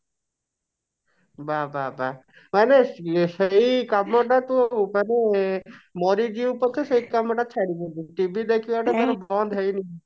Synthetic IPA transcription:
bababa | maneʃeikamːɔʈat̪omane | mɔɾid͡ʒiupɔt͡ʃʰeʃeikamːɔʈat͡ʃʰaɽibed̪uʈibid̪ekʰiʋaʈet̪aɾobɔnd̪ʱɦejni

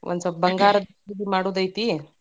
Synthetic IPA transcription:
ʋʔə̰nt͡səbəŋɡaɾd̪iid̪imaɽuːd̪ajt̪i

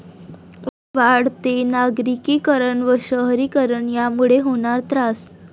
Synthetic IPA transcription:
ʋaɽt̪enaɡɾikikəɾəɳʋəɕəɦɾikəɾəɳjamuɭeɦoɳ̃aɾt̪ɾas

